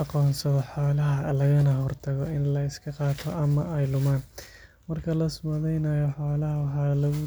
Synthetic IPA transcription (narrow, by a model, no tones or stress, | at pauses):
ɑqɔːnsɐðɔħoːlɐɦɐlɐɣɐnɐɦɔrt̪ʰɐɣɔɪnlɐɪskʰɐqɑːt̪ʰɔʔɐmɐʔɛjlʊmaːn | mɐrkʰɐlɐsʊmɐðɛjnɐjɔħaːlɐɦɐwɑħɑːlɐɣʊ